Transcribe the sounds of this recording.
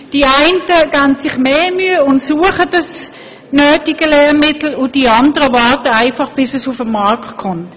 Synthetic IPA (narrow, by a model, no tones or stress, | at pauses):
d̥iaɪntəɡansɪχmeːmyəʊntsuəχədəs | nøːtɪɡəlɛːmɪtl̩ʊdiɑndəʁəvɑtəaɪfɑχb̥ɪsɛsufəmːɑʁkkʰʊnt